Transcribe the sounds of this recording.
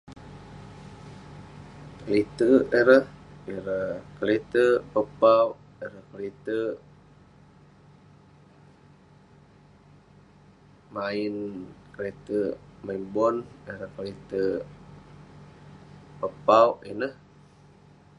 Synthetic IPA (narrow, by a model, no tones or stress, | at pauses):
kəlit̪əʔeɾəhiɾəhkəlet̪əpəpawʔ | iɾəhkəlit̪ə | mainkəlet̪əmaibɔneɾəhkəlet̪ə | pəpawʔinəh